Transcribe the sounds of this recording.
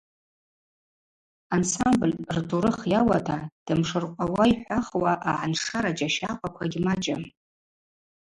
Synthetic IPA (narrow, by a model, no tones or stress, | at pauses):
ansamblrduɾɨχjawatʰad̥ɨmʂɨrqʷʼawaiħʷaχwaʔaʕanʂaɾad͡ʒaʃaqʷʼakʷʰaɡʲmat͡ʃʼam